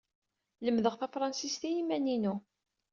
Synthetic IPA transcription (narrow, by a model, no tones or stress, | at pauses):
ləmðəʁθæfɾˤɑnsist̪ijimæninu